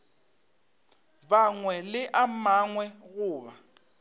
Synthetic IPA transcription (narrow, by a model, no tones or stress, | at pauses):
baŋwɛlɪʔamaŋwɛɣʊːβa